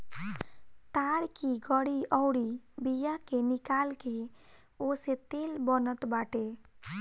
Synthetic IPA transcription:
t̪aɽkiɡəɽiʔɔwɽibijakenikalke | oset̪elbənət̪baʈe

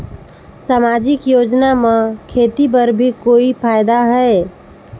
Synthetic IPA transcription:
saːmad͡ʒɪkjoːd͡ʒnamẽkʰeːt̪ip̬əɾbʱikoːipʰaːjd̪aɦɛe

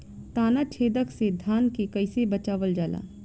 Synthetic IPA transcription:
t̪aːnat͡ʃʰeːd̪əksed̪ʱaːnkekɐɪsebɐt͡ʃaːʋəld͡ʒaːla̰ː

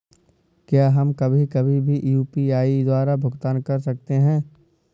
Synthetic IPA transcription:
kjaːɦɐmkɐbʱikɐbʱibʱiʔjuːpiaːid̪waːɾabʱʊɡt̪aːnkɐɾsɐk̚t̪eɦɛ̃ː

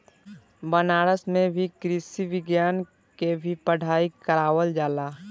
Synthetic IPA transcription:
bənaːɾəsmẽbʱikɾɪsiʋɪɡjaːn | kebʱipəɽ̤ʱaːikəɾaːwəld͡ʒaːlaː

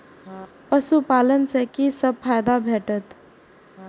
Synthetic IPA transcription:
pəsupalənsəkisəb̚pʰajd̪abʱeʈət̪

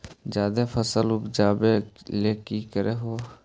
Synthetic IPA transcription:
d͡ʒjaːd̪efʰəsəlʊpd͡ʒaːbeleːkikəɾeːɦoː

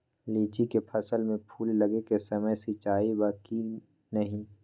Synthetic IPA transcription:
liːt͡ʃikepʰɐsəlmẽpʰuːlːɐɡekesɐməjsit͡ʃaːibaːki | nɐɦĩ

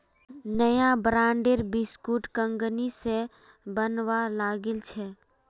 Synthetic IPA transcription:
nəjabɾãːɳɖeɾbɪskuːʈkə̃ŋɡənise | bənwalaːɡɪlt͡ʃʰɛ

